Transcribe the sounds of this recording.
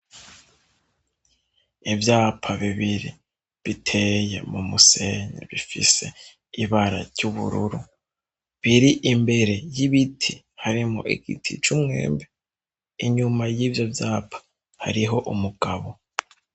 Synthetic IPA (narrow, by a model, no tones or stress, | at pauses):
ivjaːpʰaβiβiɾi | βitʰe̞je̞̰mumuse̞ɲḛβifḭse̞ | iβaɾaɾɟuβṵɾṵɾu | βiɾiʔimbe̞ɾe̞jiβitʰi | haɾimŋo̰ʔiɡḭtʰḭt͡ʃumŋe̞̰ːmbe | iɲumajivjovjaːpʰḁ | ha̰ɾiɦo̞ʔumuɡ̥aβo̞